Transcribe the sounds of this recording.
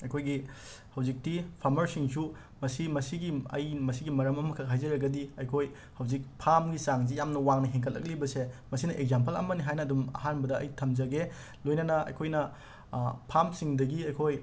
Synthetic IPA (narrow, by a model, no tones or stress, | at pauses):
ɐjkʰojɡi | hɐwzik̚tipʰaɾmɐɾsiŋsu | mɐsimɐsiɡiɐ̰jmɐsiɡimɐɾɐmɐmɐkʰɐk̚ɦajzɐɾɐɡɐdiɐjkʰoj | hɐwzik̚pʰamɡisaŋzijamnɐwaŋnɐɦeŋkʰɐlːɐ̰k̚libɐsemɐsinɐʔeɡ̚zampɐlɐ̰mɐniɦajnɐːdumɐ̰ɦanbɐdɐɐ̰jtʰɐmd͡ʒɐɡe | lojnɐnɐɐ̰jkʰojnɐ | pʰamsiŋdɐɡiɐjkʰoj